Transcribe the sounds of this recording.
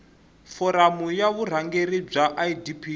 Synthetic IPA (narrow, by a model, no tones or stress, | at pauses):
fɔɾamujaβur̤aŋɡeɾib͡ʐaʔaidipʰi